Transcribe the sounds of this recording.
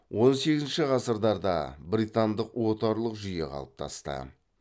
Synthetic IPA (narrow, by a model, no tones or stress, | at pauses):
wo̞nse̞ɡʲɪzɪnʃɪʁɑsəɾd̪ɑɾd̪ɑ̰bɾijt̪and̪əqwo̞t̪ɑɾlˠəqʒʏje̞qʰɑ̰lˠəp̚t̪ʰɑ̰st̪ə̰